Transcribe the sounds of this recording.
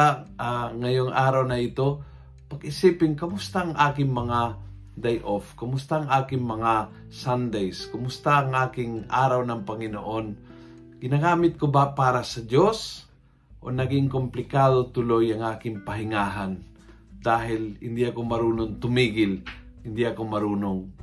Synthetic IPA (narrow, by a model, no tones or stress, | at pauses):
aʔaŋɐjoŋʔaːɾawnɐʔɪt̪o̞ | pɐɡʔɪsiːpɪŋkɐmʊst̪aʔɐŋʔaːkɪŋmɐŋa | d̪ajʔofkɐmʊst̪aʔːŋʔaːkɪŋmɐŋa | sand̪ejskʊmʊst̪aʔɐŋʔaːkɪŋʔaːɾawnɐŋpɐŋɪno̰ʔo̞n | ɡɪnaɡaːmɪt̪̚kobapaːɾɐsɐd͡ʒos | ʔo̰nɐɡɪŋkomplɪkaːd̪ot̪ʊlojɐŋʔaːkɪŋpɐɦɪŋaːɦan | d̪aːɦɪlhɪnd̪iʔɐkomɐɾuːnoŋt̪ʊmiːɡɪlhɪnd̪iʔɐkomɐɾuːnoŋ